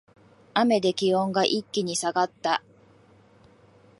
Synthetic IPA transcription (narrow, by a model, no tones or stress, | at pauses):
ame̞d̪e̞kʲiõ̞ŋɡaʔikʲːiɲ̟isaɡat̪ːa